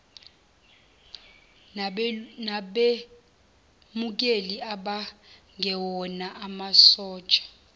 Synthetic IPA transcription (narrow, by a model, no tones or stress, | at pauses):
naɓe | muk̬eliaɓaŋʱɛwɔnaʔamasɔːt͡ʃʼḁ